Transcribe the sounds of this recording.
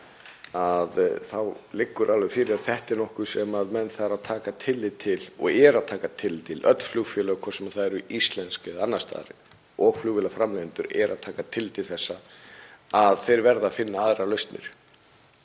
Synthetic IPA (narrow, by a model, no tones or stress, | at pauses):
aðθawlɪkːʏɾʔalvɛfɪːɾɪðaθɛht̪ɪnɔhkʏ̥sɛmaðmɛnːθaɾaðt̪ʰaːkat̪ʰɪlːɪt̪ʰɪlɔ̰ɣɛɾaðt̪ʰaːkat̪ʰɪlt̪ʰɪlʔœ̰t̪ln̥flʏɣfjɛːlœːɣkʰɔɾ̥sɛmaθaðɛɾʏist̪lɛnskɪðanːast̪a̰ːɾɪ | ʔɔɣflʏɣvɪlafɾamlɛnt̪ʏɾɛ̰ɾʔa̰ðt̪ʰaːkat̪ʰɪlt̪ʰɪlθɛsːa | aðθejɾvɛɾðaːfɪnːaaðɾalœɥst̪nɪ̰ɾ̥